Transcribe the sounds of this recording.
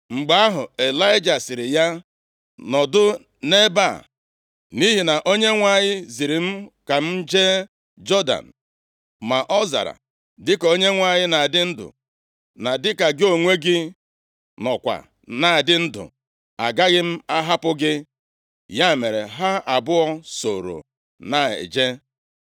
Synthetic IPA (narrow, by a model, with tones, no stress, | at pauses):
ŋ͡m̩˨ɡ͡ba˦a˦ɦʊ˨e˨la˦ɪ˦d͡ʒa˨sɪ˨ɾɪ˨ja˦ | nɔ˨dʊ˦ | ne˦ba˦˨ | ni˦ɦi˨na˨ʔo˦ɲe˦ŋʷa˦ɲɪ˦zi˨ɾi˨m̩˦ka˨m̩˦d͡ʒe˦ | d͡ʒɔ˦da̰˨n̩˨ | ma˨ʔɔ˦za̰˨ɾa̰˨ | dɪ˦ko˦ɲe˦ŋʷa˦˨ɲɪ˦na˨a˨dɪ˦n̩˦dʊ̰˨ | na˨dɪ˦ka˨ɡɪ˦o˨ŋʷe˦ɡɪ˦ | nɔ˨kʷa̰˨ | na˨a˨dɪ˦n̩˦dʊ̰˨ | a̰˨ɡa˦ɣɪ˦m̩˦a˦ɦa˦pʊ˦ɡɪ˦ | ja˦˨me˨ɾe˨ɦa˦a˨bʊ˦ɔ˦so̰˨ɾo̰˨ | na˨ḛ˨d͡ʒe˦